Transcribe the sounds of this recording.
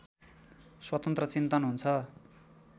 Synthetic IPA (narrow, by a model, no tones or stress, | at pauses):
swʌt̪ʌnt̪rʌt͡sint̪ʌnɦunt͡sʰʌ